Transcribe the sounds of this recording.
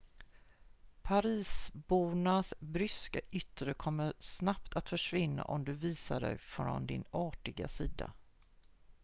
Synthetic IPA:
pʰaɾiːsbuːɳasbɾʏskaʔʏt̪ɾəkʰɔmːəsnap̚t̪ʰat̪fœʂvɪnːa̰ʔɔmd̪ɵviːsaɖɛ̰jfɾɾɔ̰nd̪ɪnɑːʈɪɡa̰siːd̪a̰

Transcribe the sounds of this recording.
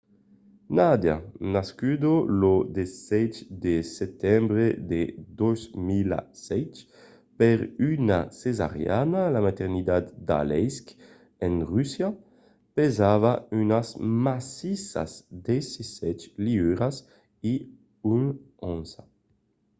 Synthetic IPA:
nad̪ja̰naskyd̪olod̪esɛt͡ʃd̪esɛt̪ɛmbɾed̪ed̪ɔzmila̰sɛt͡ʃ | peɾyna̰seza̰ʁja̰nalamat̪ɛʁnid̪at̪d̪a̰lɛsk | ɛnʁysja | pezavaynasmasisa̰zd̪esisɛt͡ʃliyɾas | i | yn | ɔ̃nza

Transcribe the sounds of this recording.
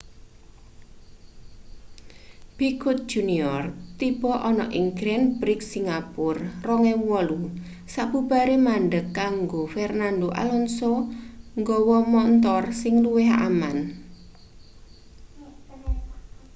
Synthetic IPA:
b̥ikʊt̪̚d̥d͡ʒ̥uniɔrt̪ib̥ɔʔɔnɔʔɪŋɡɾɛnbɾɪk̚siŋɡapʊrrɔŋɛwɔlu | saʔb̥ub̥a̤ɾemaɳɖəkːaŋɡofɛrnandoʔa̰lɔnsoŋɡɔwɔmɔnt̪ɔrsɪŋluweɦaʔaman

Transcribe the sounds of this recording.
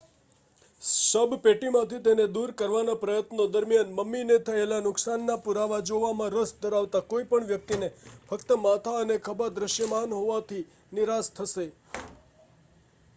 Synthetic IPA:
səbpeʈimãt̪ʰit̪ened̪uɾkəɾʋanapɾəjət̪nod̪əɾmijanməmːinet̪ʰəelanʊksanːapuɾaʋad͡ʒoʋamãɾəsd̪əɾaʋt̪akoipəɳʋjək̚t̪inefəkt̪əmat̪ʰaənekʰəbad̪ɾəʃjəmanɦoʋat̪ʰi | nɪɾast̪ʰəʃe

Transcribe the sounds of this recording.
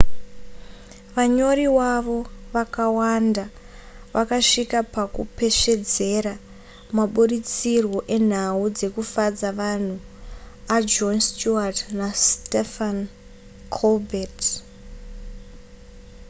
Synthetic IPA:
ʋaɲo̞riwaʋo̞ʋakawanda | ʋakaʂikapakṵpe̞ʃe̞d͡ze̞ɾa | maɓurit͡sirwo̞ʔe̞n̤aud͡ze̞kufad͡zaʋan̤u | ad͡ʒonstuatnastefan | kʰolbʱet

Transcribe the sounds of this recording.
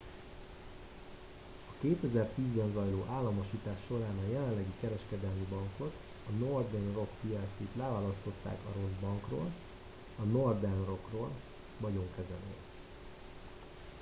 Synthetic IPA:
ɒkeːt̪ɛzɛrt̪iːzbɛnzɒjloːʔaːlːɒmo̞ʃiːt̪aːʃːo̞ɾaːnɒjɛlɛnlːɛɡikɛɾɛʃkɛd̪ɛlmibɒŋko̞t̪ | ɒnord̪ɛnro̞kpijɛsiːt̪lɛvaːlɒst̪o̞t̪ːa̰ːkɒ̰ɾo̞zbɒŋkro̰ːl | ɒno̞rd̪ɛnro̞kroːl | vɒɟo̞ŋkɛzɛlø̰ːl

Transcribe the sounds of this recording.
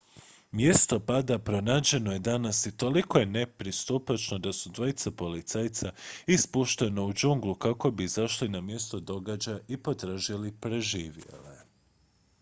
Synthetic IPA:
mje̞st̪o̞pad̪apɾo̞naːd͡ʑe̞no̞je̞d̪anasit̪o̞liko̞je̞ne̞pɾist̪upat͡ʃno̞d̪asud̪ʋo̞jit̪sapo̞lit̪sajt̪saispuʃt̪e̞no̞ud͡ʒuŋɡlˠukako̞bizaʃlinamje̞st̪o̞d̪o̞ɡad͡ʑajipo̞t̪ɾaːʒilipɾe̞ʒiːʋje̞̰le

